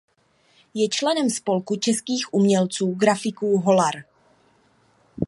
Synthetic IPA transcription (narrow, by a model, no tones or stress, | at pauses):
jɛt͡ʃlɛnɛmspo̞lkut͡ʃɛskiːxʔumɲɛlt͡suːɡɾafɪkuːɦo̞laɾ